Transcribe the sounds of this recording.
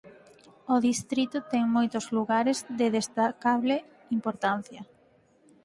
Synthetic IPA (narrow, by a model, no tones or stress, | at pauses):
oðist̪ɾit̪ʊt̪ɛŋmojt̪ʊzluɣaɾezðeðest̪akaβle | impoɾt̪an̟θjɐ